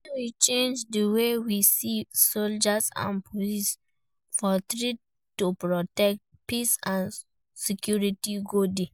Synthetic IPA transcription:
wit͡ʃẽnd͡ʒdəwewisisold͡ʒasã̰npʰolis | fɔtɹid | tupɹɔtɛk̚t̚ | pisãn | sikjuɹitiɡodi

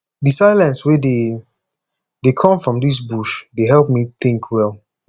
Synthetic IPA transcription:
dɨsaɪlɛ̃nswede | dekʰɔ̃mfɹɔ̃mdis̬buʃdeɦɛlˠp̚miθĩŋkʰwɛlˠ

